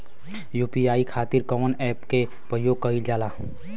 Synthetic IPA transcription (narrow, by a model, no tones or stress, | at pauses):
juːpiaːikʰaːt̪ɪɾkɔmənɛːpke | pɾəjoːɡ̚kɐid͡ʒaːlaː